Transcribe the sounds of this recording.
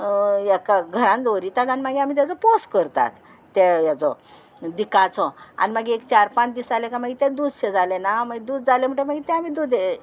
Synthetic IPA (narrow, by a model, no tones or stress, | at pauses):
jakaɡʱəɾãnd̪oɾiːt̪at̪animaɡiam̤iːt̪̬jat͡sɔposkəɾt̪a̰t̪ː | ɛjat͡sɔ̰ | d̪ikat͡sɔa̰nimaɡiekt͡ɕaɾpãt͡ɕd̪isalɛkamaɡit̪ɛ̃d̪ud͡zɕed͡zalenamaɡid̪uːd͡zd͡zalem̤əɳʈəmaɡit̪ɛ̃amiːd̪ud̪e